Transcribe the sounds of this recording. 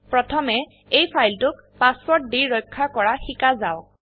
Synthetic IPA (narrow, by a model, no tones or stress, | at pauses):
pɹɔtʰɔmɛ | ejpʰajltʊk | paswɔɹt̚diɹɔjkʰːakɔɹaxikazaw